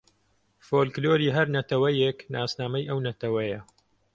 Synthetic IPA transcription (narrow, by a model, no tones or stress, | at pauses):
foːlkloːɾiːɦɐɾnɐt̪ɐwɐjeknaːsnaːmɐjʔɐwnɐt̪ɐwɐjɐ